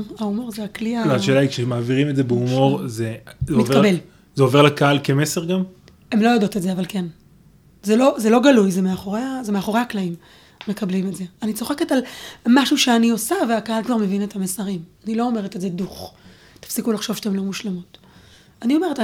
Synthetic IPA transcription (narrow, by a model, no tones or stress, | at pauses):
aumo̞ʁzeakliaaaʃeːlaikʃemaːviʁimezebeumo̞ʁzezemitkabel | zeove̞ʁlakaalkemeseʁɡam | e̞mlo̞jado̞tetzeavalken | zelo̞zelo̞ɡalujzemeaχo̞ʁeazemeaχo̞ʁehaklaimː | e̞kablimetzeanit͡so̞χeketalmaʃuʃeanio̞saveakaalkvaʁme̞vinetamesaʁimanilo̞ome̞ʁete̞tze̞duχ | tḁfsikulaχʃo̞v̥ʃe̥emlo̞muʃlamut | anio̞me̞ʁeta